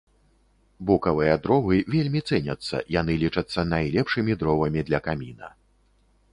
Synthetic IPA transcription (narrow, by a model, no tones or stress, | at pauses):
bukɐvɨjɐd̪ɾɔvɨvʲelʲmʲit̪sɛnʲɐt̪sːɐ̰janɨlʲit͡ʂɐt̪sːɐnajlʲɛpʂɨmʲid̪ɾɔvɐmʲid̪lʲɐkamʲinɐ̰